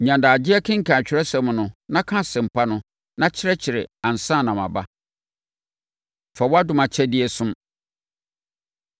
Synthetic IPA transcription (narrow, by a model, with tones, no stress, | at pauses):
ɲã˨ndaː˨d͡ʑɪ˦ɛ˦kʰɪ̃˦ŋ̩˨kʰã˨t͡ɕᶣɪ˨ɾɛ˦sɛ˨m˨nʊ̃˨nã˦kʰã˦sɛ̃˨m̩˨pʰa˦nʊ̃˦ | nã˦t͡ɕʰɪ˦ɾɛ˦t͡ɕʰɪ˨ɾɪ˨ã˨n̩˨sã˦˨nã˨ma̰˨ba̰˦ | fɛ˨wɔ˦a˦dʊ̃˦mã˨t͡ɕʰɛ˦dɪ˦ɛ˦sʊ̃˦m